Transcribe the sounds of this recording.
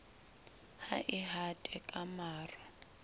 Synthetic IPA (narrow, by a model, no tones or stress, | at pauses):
haʔiɦatʼɛkʼamaːrwa